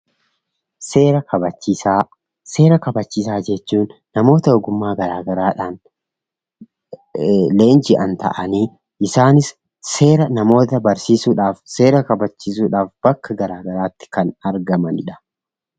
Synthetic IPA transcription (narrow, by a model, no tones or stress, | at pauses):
seːɾɐkɐbɐt͡ʃːisa | se̞ːɾɐkɐbɐt͡ʃːiːs̬aːd͡ʒɛt͡ʃːuːnːɐmo̞ːt̪ɐɔɡʊmːaːɡɐɾaːɡɐɾaːᶑaːn | le̞ːnd͡ʒɪʔɐnt̪ɐ̰ʔɐniː | ʔɪsaːnɪsː | e̞ːɾɐnɐmo̞ːt̪ɐbɐɾsiːsuːᶑaːfse̞ːɾɐkɐbɐt͡ʃːiːs̬uːᶑaːfb̥ɐkːɐɡɐɾaːɡɐɾaːt̪ːɪ̥kɐnɐɾɡɐmɐnɪᶑɐ̥